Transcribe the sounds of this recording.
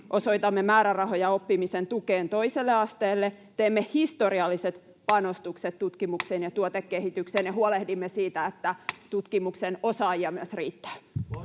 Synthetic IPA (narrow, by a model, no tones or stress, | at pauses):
ʔosoit̪ɑmːemæːɾærɑhojɑopːimisent̪ukeːnt̪oiselːeɑst̪eːlːe | t̪eːmːehist̪oriɑlːiset̪ | pɑnost̪ukset̪t̪ut̪kimuksenjɑt̪uot̪ekːehit̪ykseːnjehuolehdimːesiːt̪æet̪ːæt̪ut̪kimuksenosɑːjiɑmyəsriːt̪ːæ̥ː